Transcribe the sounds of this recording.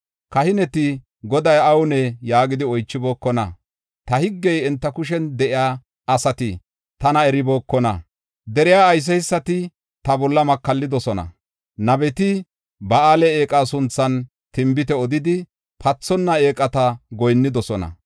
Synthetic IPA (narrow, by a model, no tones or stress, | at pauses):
kɐhɪnɛt̪ɪ | ɡɔd̪ɐjɐwʊnɛjaːɡɪd̪ɪɔjt͡ʃːɪbo̞ːkːɔnɐ̰ | t̪ɐhɪɡːɛjɛnt̪ːɐkʊʃ̬ɛnd̪ɛʔɪjaː | ʔɐsɐt̪ɪ | t̪ɐnɐɛɾɪboːkːɔnɐ̰ | d̪ɛɾɪjaːjs̬ɛɪsːɐt̪ɪ | t̪ɐbɔlːɐmɐkːɐlːɪd̪ɔsɔnɐ̰ | nɐbɛt̪ɪ | bɐaːlɛeːkʼaːsʊnt͡sːɐn | t̪ɪmbɪt̪ɛɔd̪ɪd̪ɪ | pʰɐt͡sːɔnːɐeːkʼːɐt̪ɐɡɔjnːɪd̪ɔsɔnɐ̰